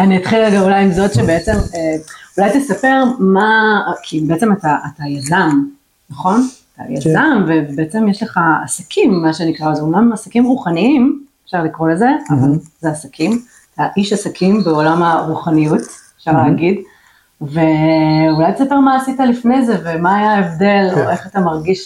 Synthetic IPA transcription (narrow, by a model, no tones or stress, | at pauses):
aniat̪χilalɡavulajimzo̞tʃebeet͡se̞meulajt̪esape̞ʁmakʰibeet͡se̞mataʔatajazam | naχo̞nata̰ja̰amvebeet͡semjeʃle̞χa̰ːsakʰimːaʃenikʁaozounamasakimʁuχaniimefʃaʁlikʁo̞le̞ze̞avalzeasakʰim | ataʔiʃasakʰimbeo̞lamaʁuχanijutefʃaʁleːaɡid | ve̞ulajt̪esape̞ʁmaːsitalifnejze̞vemaːjaevd̪e̞loe̞χatamaʁɡiʃ